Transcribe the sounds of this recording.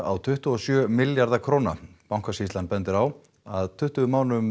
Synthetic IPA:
a̰wt̪ʰʏht̪ʏɔsjœːmɪljaɾðakʰɾoːwna̰pawŋkvasist̪lanpɛnt̪ɪɾaw | aðt̪ʰʏht̪ʏʏmaːwnʏm

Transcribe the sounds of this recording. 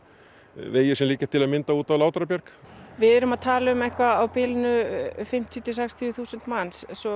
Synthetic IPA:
veːjɪsɛmliːcḁt̪ʰːɪlaðmɪnt̪auːt̪awlaːwt̪ɾapjɛɾkvɪðɛɾʏmaðt̪ʰaːlɪʏmɛhkvaawpɪlnʏfɪm̥t̪ʰjʏt̪ʰɪsɛkst̪ʰjθuːsʏnt̪manssɔ

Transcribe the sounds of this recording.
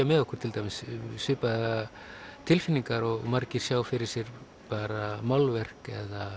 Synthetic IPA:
amɛðɔhkʰɔɾ̥t̪ʰɪlt̪ajmɪsːʏːpaða | t̪ʰɪlfɪnːiŋkaɾɔɣmaɾcɪɾ̥sjaːwfɪɾɪɾ̥sjɛɾ | paːɾamawlvɛr̥kɛða

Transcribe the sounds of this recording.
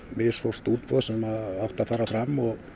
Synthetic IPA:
mɪsfɔst̪uːt̪̚pɔðsɛmaðawht̪afaːɾafɾamːɔɣ

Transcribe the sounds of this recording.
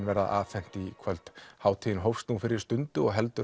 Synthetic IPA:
nvɛɾða̰ʔaːθɛn̥t̪ikʰvœlt̪haːwt̪ʰiɪnɦowfst̪uːfɪɾɪɾ̥st̪ʏnt̪ʏɔɣɦɛlt̪ʏ

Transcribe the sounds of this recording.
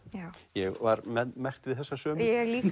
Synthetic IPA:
ajɛɣvaɾmɛðmɛr̥t̪vɪðθɛsːasœːmjɛɣliː

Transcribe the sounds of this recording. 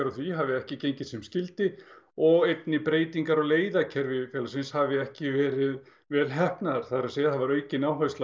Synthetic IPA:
aɾaθviɦavɪɛhcɪcejɲcɪ̥sɛmscɪlt̪ɪɔɣejt̪nɪpɾeːjt̪iŋkaɾɔɣleːjðacʰɛɾvɪfjɛːlasɪnshavɪɛhcɪvɛːɾɪð | vɛːɾɪlɦɛhpnaðaɾ̥θaɾasejaθavaɾœːɥcɪnawɦœɥsla

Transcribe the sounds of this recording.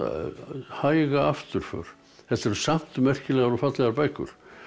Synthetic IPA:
haːjɣaaft̪ʏɾ̥fœ̰ːɾ̥ | θɛht̪ɛɾʏsam̥t̪mɛr̥cɪlɛːɣaɾufat̪lɛɣaɾpajkʏ̰ɾ̥

